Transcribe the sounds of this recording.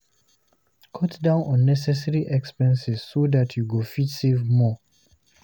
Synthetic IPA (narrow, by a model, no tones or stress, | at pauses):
kʰɔtdãʊ̃nɔ̃nːɛsɛsɛɹiʔɛkspɛ̃nsiz̥sodatʰjuɡofitsevmɔ